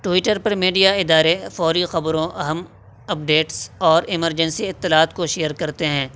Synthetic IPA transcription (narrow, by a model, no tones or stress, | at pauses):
ʈwɪʈəɾpɐɾmiːɖijaɪd̪aːɾefɔːɾixɐbɾõʔɐɦəm | ɐp̚ɖeːʈsɔːɾɪməɾd͡ʒə̃nsiɪt̪ːɪlaːt̪koʃeːjəɾkɐɾt̪eɦɛ̃ː